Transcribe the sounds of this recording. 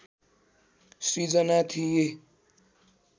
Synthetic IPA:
sid͡zʌnat̪ʰije

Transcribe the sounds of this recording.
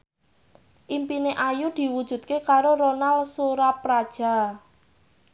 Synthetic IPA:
ʔimpineʔajud̪̥i̤wud̥ʒ̥ṳd̪̚kekaɾoɾonalsuɾapɾad̥ʒ̥a̤

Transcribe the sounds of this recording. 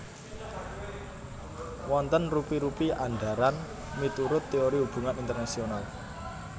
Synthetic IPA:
wɔnt̪ənrupiɾupiʔaɳɖa̤ɾan | mit̪uɾʊt̪ːeoɾiub̥ṳŋanint̪ərnasional

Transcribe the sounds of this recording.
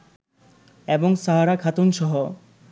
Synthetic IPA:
eboŋsaɦaɾakʰat̪onʃɔɦo

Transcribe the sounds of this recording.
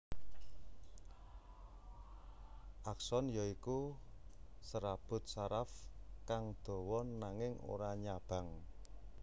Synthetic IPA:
ʔaksɔnjaiku | səɾab̥ʊ̤t̪̚saɾafkaŋd̪̥o̤wɔnːaŋɪŋo̰ɾaɲab̥ä̤ŋ

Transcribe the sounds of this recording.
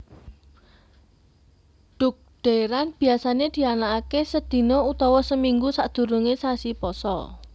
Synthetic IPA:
ɖ̥ʊ̤k̚ɖ̪̥e̤ɾanb̥i̤asaned̪̥i̤anaːkesəd̪̥i̤nout̪ɔwɔsəmiŋɡusaʔd̪̥ṳɾuŋesasipɔsɔ̰

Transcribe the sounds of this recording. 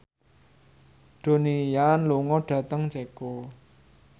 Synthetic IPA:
d̪̥o̤nijanluŋɔɖ̥ä̤t̪əŋd͡ʒɛko

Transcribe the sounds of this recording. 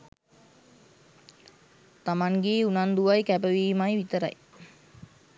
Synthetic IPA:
t̪amaŋɡeːunand̪uʋajkæbəʋiːmajʋit̪əɾa̰j

